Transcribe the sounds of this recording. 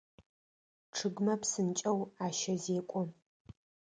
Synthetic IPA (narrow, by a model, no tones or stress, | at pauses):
ʈ͡ʂʰɨɡmɐpsɨnt͡ʃʼɐwaːʃɐzeːkʷʼʊ